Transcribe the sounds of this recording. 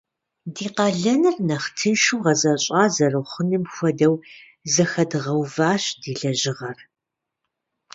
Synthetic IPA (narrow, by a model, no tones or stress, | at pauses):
diːqɑɮɐnɨrnɐχtʰɨnʃuwʁɐzɐɕʼɑːzɐrɐwχʷʊnɨmxʷɔdɐw | zɐxɐdɨʁɐwvaːɕdiːɮɐʑɪʁɐr